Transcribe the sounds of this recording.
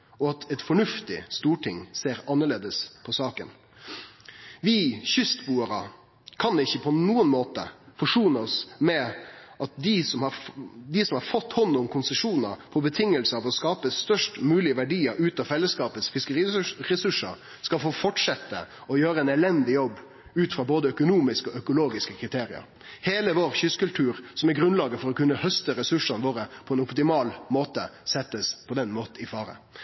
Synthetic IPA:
ɔɑt̪ʰɛt̪fɔɳʉft̪ɪ̰st̪uːʈʰɪŋseːɾɑnːəɭeːd̪əspʰɔsɑːkə̰n | ʋɪːçʏst̪buːəɾə | kʰɑnɪçːəpʰɔnuːənmoːt̪ə̰fɔʂuːnəɔsmɛʔɑt̪̚d̪ɪsɔmhɑɾd̪ɪsɔmhɑɾfɔt̪ːhɔnːʊmkʰʊnsɛʂuːnə̰pʰɔbət̪ʰɪŋːəlsəɑʋɔskɑːpəst̪œʂʈmʉːlɪəʋæɖiːəɾʉːt̪ɑfɛlːəskɑːpət̪sfɪskəɾiːɾɛsʉʂə̰ɾ | skɑlfoːfɔʈʂɛt̪ːə̰ɔjøːɾəɛnɛlɛnd̪ɪjɔbː | ʉːt̪fɾɑboːd̪əœkʊnuːmɪskəɔœkʊloːɡɪskəkʰɾɪt̪ʰeːɾɪə̰ɾ | heːləʋoːɾçʏskʉlt̪ʰʉːɾsɔmæɾɡɾʉnlɑːɡəfɔɾɔkʉnːəhœst̪əɾɛsʉʂɑnʋoːɾəpʰɔɛnʊpt̪ɪmɑːlmoːt̪əsɛt̪ːəspʰɔd̪ɛnmoːt̪̩ɪfɑːɾə̰

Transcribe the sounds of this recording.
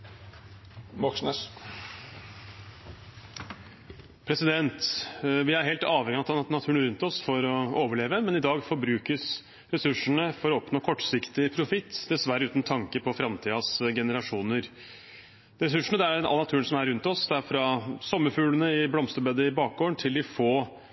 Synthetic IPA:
mɔksnəs | pʰɾɛsɪd̪ɛnt̪ʋɪæɾheːlt̪ɑːʋhɛŋɪɑt̪nɑt̪ʰʉːəɳəɾʉnt̪ɔsfɔɾɔoːʋəɭeːʋəmɛnɪd̪ɑːɡfɔɾbɾʉːkəs | ɾɛsʉʂəɳəfɔɾɔɔpnoːkʰɔʈːsɪkt̪ɪpʰɾʊfɪt̪ːd̪ɛsʋæɾːəʉːt̪nt̪ʰɑŋkəpʰɔfɾɑmt̪ʰiːɑsɡɛnəɾɑʂuːnəɾ | ɾɛsʉʂəɳəd̪ɛæɾɑ̰nɑt̪ʰʉːəɳsɔmæɾʉnt̪ɔsd̪æɾfɾɑsɔmːəfʉːlənəɪblɔmst̪əɾbeːd̪əɪbɑːk̚ɡoːəɳt̪ʰɪld̪ɪfoː

